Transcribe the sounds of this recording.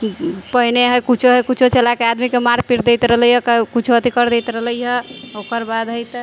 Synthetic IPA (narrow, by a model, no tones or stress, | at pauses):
pəɦineɦəjkut͡ʃʰoɦəjkut͡ʃʰot͡ʃelakead̪mikemaɾpiɾd̪ejt̪ɾəɦləjəkəkut͡ʃʰoət̪ikəɾd̪et̪ɾəɦləɦəokəɾbad̪ɦəjt̪ə